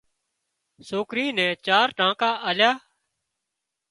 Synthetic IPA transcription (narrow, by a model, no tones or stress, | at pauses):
soːkɾĩːnɛ̃ːt͡ʃaːɾʈãːkaːʔaːljaː